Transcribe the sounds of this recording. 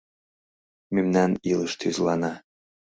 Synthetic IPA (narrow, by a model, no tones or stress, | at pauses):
mymnænilɤʃt̪ʰyzlɑnɑ